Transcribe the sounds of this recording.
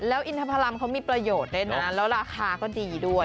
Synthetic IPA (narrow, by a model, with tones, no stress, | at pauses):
lɛː˦˥wʔi˧nt̪ʰa˧pʰa˧la˧mkʰa˦˥wmiː˧˩pɾa˧joː˨˩t̪̚le˦˥˩na˧a˦˥lɛː˦˥wɾaː˧kʰaː˧kɔː˥˩diː˧du˥˩əj